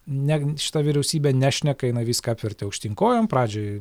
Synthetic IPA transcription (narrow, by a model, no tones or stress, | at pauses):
nʲæʃʲɪt̪ɐʋʲiɾʲɛʊsʲiːbʲeːnʲæːʃʲnʲɛkɐjɪnɐɪʋʲiːskɐɑpʲʋʲɪɾʲt̪ʲɪɐʊkʃʲt̪ʲɪŋkoːjoːmpɾɑːd͡ʒʲoː